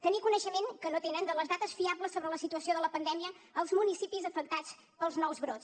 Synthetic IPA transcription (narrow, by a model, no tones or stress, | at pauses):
t̪ənikunəʃəmeŋkənot̪enənd̪ələzðat̪əsfiabləsːoβɾələsit̪uəsioðələpənd̪ɛmiəː | lˠzmunisipizəfək̚t̪at͡s | pəlˠznɔwzβɾot͡s